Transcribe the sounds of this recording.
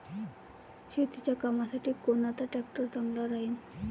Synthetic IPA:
ʃit̪it͡ɕakamasʰaʈikonat̪aʈɛkʈɔɾt̪aŋlaɾain

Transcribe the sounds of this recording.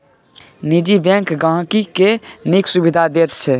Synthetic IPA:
nid͡ʒibɛ̃ŋkɡãɦkikeniksubid̪ʱad̪et̪t͡ʃʰɛ

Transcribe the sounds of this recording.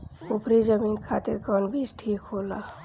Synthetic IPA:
upɾid͡ʒəminkʰaːt̪iɾkɔnbʱisʈʰiːkɦoːla

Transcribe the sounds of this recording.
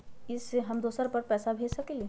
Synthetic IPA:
ɪsɦɐmd̪oːsəɾpəɾpɛːsabʱeːd͡ʒsɐkelie

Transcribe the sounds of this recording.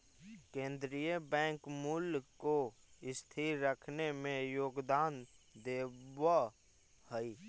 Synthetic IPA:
kẽːnd̪ɾijəbɛ̃ːŋkmulko | ɪst̪ʰiɾɾəkʰnemẽjoːɡd̪aːnd̪eːʋa | həi

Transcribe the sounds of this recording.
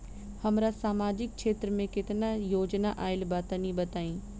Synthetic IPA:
hɐmɾasaːmaːd͡ʑɪk̚ʃeːt̪ɾəmẽkɪt̪najoːd͡ʒnaʔaːɪlbaːt̪anĩbɐt̪aːĩː

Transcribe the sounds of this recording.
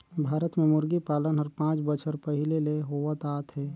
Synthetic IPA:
bʱaːɾət̪mẽmʊɾɡipaːlənɦəɾpãːt͡ʃbət͡ʃʰəɾpəɦɪleleɦoːʋət̪aːt̪ɦɛː

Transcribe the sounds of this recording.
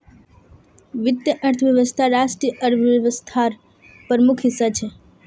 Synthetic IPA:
ʋɪd̪jəʔəɾt̪ʰəʋjəʋəst̪ʰaɾaʃʈɾiʔəɾbʱəʋəst̪ʰaɾ | pəɾəmukʰɦɪsːat͡ʃʰe

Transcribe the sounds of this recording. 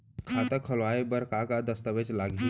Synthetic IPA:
kʰat̪əkʰəlʋaebəɾkakad̪əst̪əʋet͡ʃlaɡi

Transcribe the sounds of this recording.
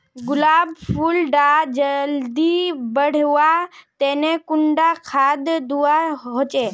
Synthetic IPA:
ɡʊlaːbpʰulɖad͡ʒəld̪ibəɽ̤ʋat̪eːnekʊɳɖakʰaːd̪d̪uaɦoːt͡ʃeː

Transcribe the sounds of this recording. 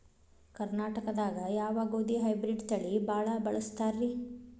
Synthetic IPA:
kɐɾnaːʈɐkɐd̪aːɡɐjaːʋaːɡoːd̪iɦɐjbɾiɖt̪ɐɭibʱaːɭɐbɐɭɐst̪aːɾːi

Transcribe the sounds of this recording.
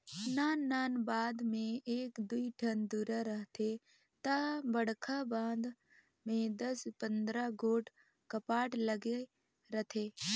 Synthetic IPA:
naːnːaːnbaːd̪mẽeːkd̪uiʈʰənd̪uɾaɾəɦt̪ʰe | t̪abəɽkʰabãːd̪ | mẽd̪ɐspə̃nd̪ɾaɡoːʈ | kəpaːʈləɡe | ɾət̪ʰeː

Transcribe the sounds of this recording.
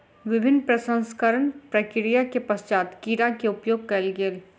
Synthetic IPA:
ʋɪbʱɪnːpɾɐsə̃nskəɾəɳpɾɐkɪɾijakepɐst͡ʃaːt̪kiːɾakeʊpjoːɡ̚kɐlɡel

